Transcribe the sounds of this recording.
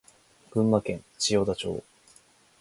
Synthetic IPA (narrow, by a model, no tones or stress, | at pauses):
ɡ̥ɯ̟̃mːakẽ̞ŋ | t͡ɕijoːd̪at͡ɕo̞̰ː